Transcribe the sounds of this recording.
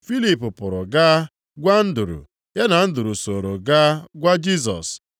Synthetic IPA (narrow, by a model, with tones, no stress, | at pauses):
fi˦li˨pʊ˨pʊ˨ɾʊ̰˨ɡa˦ | ɡʷa˦n̩˦du˨ɾṵ˨ | ja˦na˨n̩˦du˨ɾu˨so˨ɾo˨ɡa˦ɡʷa˦d͡ʒi˦s̬ɔ̰˨s